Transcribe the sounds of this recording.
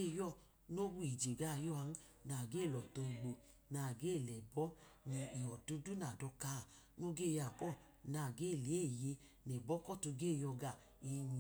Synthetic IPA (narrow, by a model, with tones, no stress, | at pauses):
e˦˨jɔ˦˨ | no˦wu˦i˨d͡ʒe˨ɡa˦˨jɔ˦a˧˦n̩˦ | na˨ɡe˦˨lɔ˨to˧˨ɡ͡bo˨ | na˨ɡe˦˨lɛ˨bɔ˦ | ni˧i˨ɔ˨du˦du˦na˨dɔ˧ka˨˦˨ | no˦ɡe˦˨ja˨kɔ˦˨ | na˨˧˨ɡe˦˨le˨˦˨je˧ | nɛ˨bɔ˦kɔ˦˨tu˧ɡe˦˨jɔ˧ɡa˨ | e˧ɲi˧